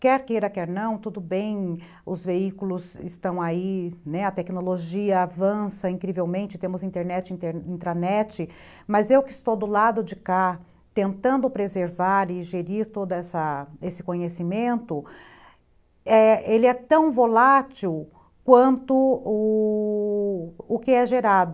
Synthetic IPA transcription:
kɛɾkeɾɐkɛɾnɐ̃w̃t̪ud̪ʊbẽj̃ | ʊzveikulʊzɪst̪ɐ̃w̃ainɛɐt̪ɛknoloʒiɐavɐ̃sɐĩŋkɾivewmẽnt͡ʃɪt̪ẽmʊzĩnt̪eɾnɛt͡ʃɪĩeɾĩnt̪ɾanɛt͡ʃɪ | mɐzewkɪst̪owd̪ʊlad̪ʊd͡ʒɪka | t̪ẽnt̪ɐ̃nd̪ʊpɾezeɾvaɾɪʒeɾiɾt̪od̪ɐɛsɐesɪ̥kõɲesimẽnt̪ʊ | ɛelɪɛt̪ɐ̃w̃volat͡ʃiw | kwɐ̃nt̪ʊʊ | ʊkɪɛʒeɾad̪ʊ

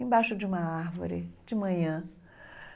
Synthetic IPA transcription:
ẽbajʃʊd͡ʒiũmɐaɾvo̰ɾɪ̰d͡ʒɪmɐ̃ɲɐ̃

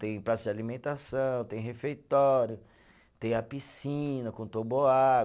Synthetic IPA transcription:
t̪ẽj̃pɾasʊd͡ʒɪalimẽnt̪asɐ̃w̃t̪ẽj̃ɦefejt̪ɔɾjʊ | t̪ẽj̃ɐpisĩnɐkõt̪oboa

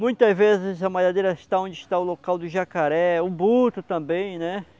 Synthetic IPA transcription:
mũj̃t̪ɐzvezɪzɐmaʎad̪eɾɐɪst̪aõd͡ʒɪʃt̪aʊlokawd̪ʊʒakaɾɛʊbut̪ʊt̪ɐ̃mbẽj̃nɛ

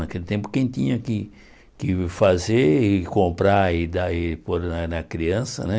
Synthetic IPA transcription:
nɐkelɪt̪ẽmpʊ̥kẽj̃t̪ĩɲɐkɪ | kɪfazeɾɪkõmpɾaɪd̪aɪpoɾnɐnɐkɾiɐ̃sɐ̰nɛ

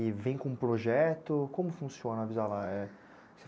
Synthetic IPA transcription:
ɪvẽj̃kõũpɾoʒɛt̪ʊkõmʊfũsiõnɐavizalaɛ | se

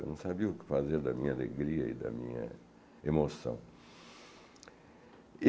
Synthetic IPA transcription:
nsabiukə̥fazeɾd̪amialḛɡɾiaid̪a̰mia̰ | emosɔ̰̃ŋ

